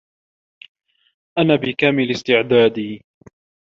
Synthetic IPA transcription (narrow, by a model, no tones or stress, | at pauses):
ʔanaːbɪkaːmɪlɪst̪ɪʕd̪aːd̪iː